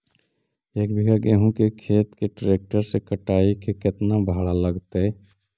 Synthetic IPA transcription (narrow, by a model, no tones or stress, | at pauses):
eːkbʱiɡaɡeːɦũkekʰeːt̪keʈɾeːk̚ʈəɾsekəʈaːikekɪt̪nabʱaːɽaləɡt̪eɛ